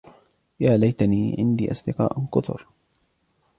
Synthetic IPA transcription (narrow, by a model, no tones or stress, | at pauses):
jaːlajt̪aniːʕɪ̰nd̪iːʔɑsˤd̪ɪqɑ̰ːʔkʊt̪ʊ̰ɾ